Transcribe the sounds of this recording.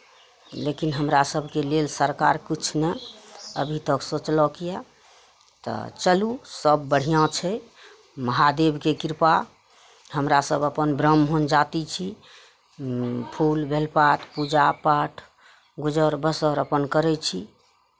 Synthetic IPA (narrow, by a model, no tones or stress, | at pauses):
lekinɦəmɾasəbʱkelelsəɾkaɾkit͡ʃʰneə̰bʱit̪əksot͡ʃlɔkija | t̪ɔ̰t͡ʃəlusəbːəɽ̤ijãt͡ʃʰɛ | məɦad̪ebkekiɾpa | ɦəmɾasəbəpənbɾəmɦond͡ʒat̪it͡ʃʰi | pʰulbʱelpat̪ʰpud͡ʒapaʈʰ | ɡud͡ʒəɾbəsəɾəpənkəɾɛt͡ʃʰi